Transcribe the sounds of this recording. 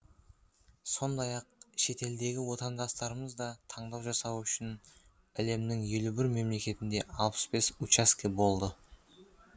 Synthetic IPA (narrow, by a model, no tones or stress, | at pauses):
so̞nd̪ɑjɑq̚ʃe̞t̪e̞ld̪e̞ɡʲɪwo̞t̪ɑnd̪ɑst̪ɑɾəməzd̪ɑt̪ʰɑɴd̪ɑwʒɑsɑwʏʃɪn | æle̞mnɪŋje̞lubɪɾme̞mle̞kʲe̞t̪ɪnd̪e̞ɑlˠpə̥sbe̞sut͡ʃaskʲebo̞lˠd̪ə